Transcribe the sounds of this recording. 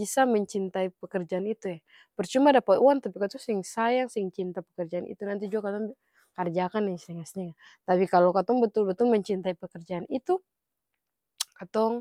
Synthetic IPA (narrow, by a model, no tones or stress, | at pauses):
bisaməɲt͡ʃint̪aipəkərd͡ʒaːnit̪uja | pərt͡ʃumadapaʔuant̪apikat̪ɔŋsiŋsajaŋsŋt͡ʃint̪apəkərd͡ʒaːnḭt̪unant̪̬id͡ʒuakat̪ɔŋb | kard͡ʒakanɛsɛŋasɲaŋa | t̪apikalokat̪ɔŋbət̪ʊlbət̪ʊlməɲt͡ʃint̪aipəkərd͡ʒaːnit̪u | kat̪ɔŋ